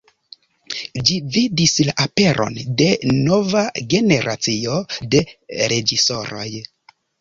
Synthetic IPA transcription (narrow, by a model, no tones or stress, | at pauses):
d͡ʒividislaʔape̞ɾʔo̞̰nde̞no̞vaɡe̞ne̞ɾʔat͡sio̞de̞ɾe̞d͡ʒiso̞ɾo̞̰j